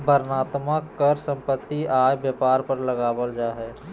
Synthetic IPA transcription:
bəɾnaːt̪məkːəɾsə̃mpət̪ːiaːjbjəpaːɾpəɾləɡaːbəld͡ʒaɦɛː

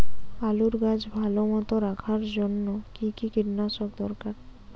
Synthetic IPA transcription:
aluɾɡad͡ʑbʱalomɔt̪oɾakʰaɾd͡ʑonːokikikiɾnaʃok̚d̪ɔɾkaɾ

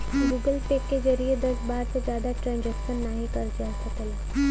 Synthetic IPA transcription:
ɡuːɡəlpekːezɐɾied̪ɐsbaːɾsed͡ʒjaːd̪aʈɾãːnd͡ʒɛkʃənːaːɦikɐɾd͡ʒaːsəkəla

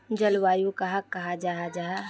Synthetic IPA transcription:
d͡ʒɐlwaːjukɐɦakːɐɦad͡ʒaːɦad͡ʒaːɦa

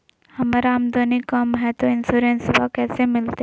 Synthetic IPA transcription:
hɐmaɾaːmd̪oːnikɐmɦɛt̪oɪnsuɾeːnsɪbakɛːsemɪlt̪e

